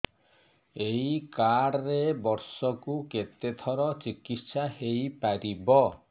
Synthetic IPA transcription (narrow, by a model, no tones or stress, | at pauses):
eikaɽɾebɔɾsɔkuket̪et̪ʰɔɾɔt͡ʃikit̪sahejpaɾibɔ